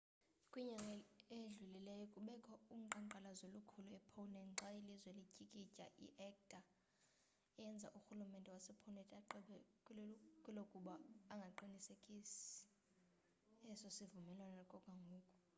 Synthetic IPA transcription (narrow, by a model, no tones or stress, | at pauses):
kʼwiɲaŋɡʱɛeɮulilɛjɔkʼuɓɛkʰʼɔum̩ǃaŋǃalazolukʰuluɛpʰɔnɛŋ͡ǀʱailizwɛlicʼikʼicʼa̰ʔḭʔɛk̚tʼa | ɛjɛnd͡zʱa̰ʔuxulumɛntʼɛwasipʰɔnɛtʼaǃɛɓɛ | kʼulokʼuɓaːŋɡʱaǃinisekʼisi̥ | ɛsosivumɛlwanakʼɔkʼaŋɡʱoːkʼɔ